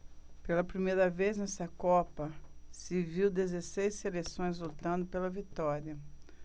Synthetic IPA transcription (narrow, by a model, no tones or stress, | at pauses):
pelɐpɾimejɾɐveznɛsɐkɔpɐsɪviwd̪ezesejsːelesõj̃zlot̪ɐ̃nd̪ʊpelɐvit̪ɔɾiɐ